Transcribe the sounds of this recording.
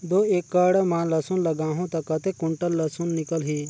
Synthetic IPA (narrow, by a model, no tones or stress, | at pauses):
d̪oeːkːəɽɐmãːlɐsunlɐɡaːɦõt̪ɐkɐt̪ekːuɳʈəlːɐsunːikəlɦi